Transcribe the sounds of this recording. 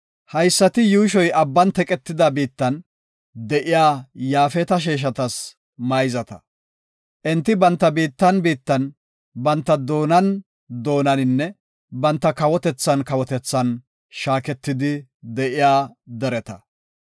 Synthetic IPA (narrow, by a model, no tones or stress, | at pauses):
hɐjsːɐt̪ɪjuːʃɔjʔɐbːɐnt̪ɛkʼɛt̪ːɪd̪ɐbiːt̪ːɐn | d̪ɛʔɪjaːjaːfɛt̪ɐʃ̬eːʃ̬ɐt̪ɐs | mɐjzɐt̪ɐ̥ | ʔɛnt̪ːɪbɐnt̪ːɐbiːt̪ːɐnbiːt̪ːɐn | bɐnt̪ːɐd̪o̞ːnɐn | d̪o̞ːnɐnɪnːɛ | bɐnt̪ːɐkɐwɔt̪ɛt͡sːɐnkɐwɔt̪ɛt͡sːɐn | ʃaːkɛt̪ːɪd̪ɪd̪ɛʔɪjaːd̪ɛɾɛt̪ɐ